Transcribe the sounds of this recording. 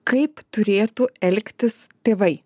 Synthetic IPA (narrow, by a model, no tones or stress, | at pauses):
kɐɪpt̪ʊɾʲeːt̪uɛlʲkt̪ʲɪst̪ʲeːʋɐɪ